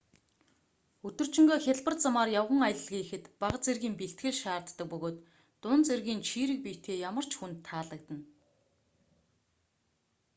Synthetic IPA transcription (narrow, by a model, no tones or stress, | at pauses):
ɵt̪ɵ̆r̥t͡ɕɪ̆ŋɡoːxʲaɮpə̆rt͡samaːrjawʁə̆ŋajə̆ɮɮɣeːxɘ̆t̪paʁət͡serɣiːmpiɬt̪ɡɘ̆ɮʃaːrt̪ːə̆k̚pɵɣoːt̪ː | ʊnt͡serɣʲiːnt͡ɕʰiːɾɘ̆k̚pijʰt̪ʰeːjamə̆r̥t͡ɕxunt̪ʰːaːɮə̆kt̪ə̆n